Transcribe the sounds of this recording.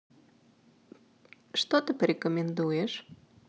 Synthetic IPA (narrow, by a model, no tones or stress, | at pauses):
ʃt̪ot̪əpɾʲekomʲend̪ujeʃ